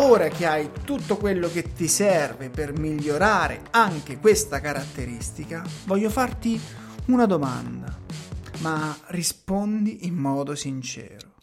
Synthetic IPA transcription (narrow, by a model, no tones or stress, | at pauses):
oːɾak̟eajt̪ut̪ːokwelːoket̪ːisɛrvepermiʎːoɾaːɾḛaŋk̟ekwest̪akaɾat̪ːeɾist̪ikavɔʎːofart̪iunad̪oma̰nd̪amarispond̪iːmːɔːd̪osint͡ʃɛ̰ːɾo